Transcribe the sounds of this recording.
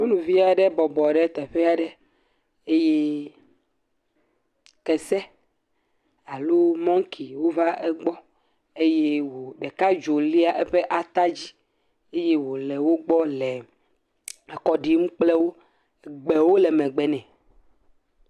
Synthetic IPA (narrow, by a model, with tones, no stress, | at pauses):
wo˦nũ˨vi˦a˨ɖɛ˦bɔ˨bɔ˨ɖɛ˦t̪ɛ˨ɸɛ˦a˨ɖɛ˦ | e˦je˦ | kɛ˨sɛ˦ | a˨lo˦mɔ̃˦ŋ˦kʰi˨wo˦va˦ɛ˦ɡ͡bɔ˦ | e˦je˦wo˨ɖɛ˨ka˦d͡ʒo˨li˦a˨ʔɛ˦ɸɛ˦ʔa˨t̪a˦d͡ʑi˦ | e˦je˦wo˨lɛ˨wo˦ɡ͡bɔ˦lɛ˨ | ɛ˨kɔ˨ɖi˦mũ˦k͡plɛ˦wo˦˨ | ɡ͡bɛ˨wo˦lɛ˨mɛ̃˨ɡ͡bɛ˨nɛ̃˨